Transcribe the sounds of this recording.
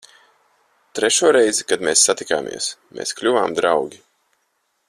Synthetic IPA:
t̪ɾeʃuɔɾɛjzikad̪meːsːat̪ika̰ːmʔḭɛsmḛːsklʲuvaːmd̪ɾawɡʲi

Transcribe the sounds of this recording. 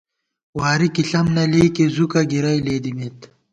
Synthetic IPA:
waːɾikiɬɐmnɐliːkezukɐɡiɾɐjleːd̪imet̪

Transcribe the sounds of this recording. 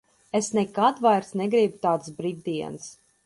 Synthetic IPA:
esnɛkad̪vajɾsnɛɡɾibut̪aːt̪sbɾivd̪iɛns

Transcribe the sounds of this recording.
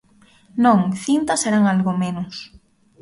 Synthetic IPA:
nõŋθint̪ɐseɾaŋalɣomenʊs

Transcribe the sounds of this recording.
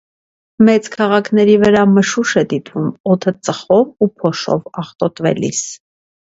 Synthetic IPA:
mɛt͡skʰɑʁɑkʰn̪ɛɾivəɾɑməʃuʃɛd̪it̪vumɔt̪ʰət͡səχɔvupʰɔʃɔ̰vɑχt̪ɔt̪vɛ̰lḭs

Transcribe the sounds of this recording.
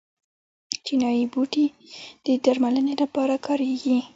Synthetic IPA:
t͡ʃinɑjibuʈi | d̪̥əd̪aɾmalənelapɑɾakʰɑɾeɡi

